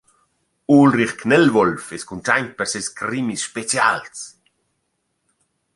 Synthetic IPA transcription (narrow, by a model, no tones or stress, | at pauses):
ulriχknɛlvɔlfɛskunt͡ʃajɲ̚pɛɾseskɾimisʃpet͡sjals